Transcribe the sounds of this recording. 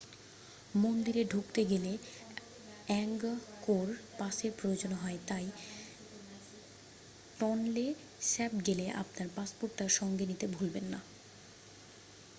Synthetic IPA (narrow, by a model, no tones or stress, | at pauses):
mond̪iɾeɖʱukt̪eɡele | ɛŋɡkoɾpaseɾpɾojod͡ʑonoɦɔet̪aj | ʈɔnle | sɛpɡeleʔa̰p̚naɾpaspoɾʈːaɾʃɔŋɡenit̪ebʱulbenːa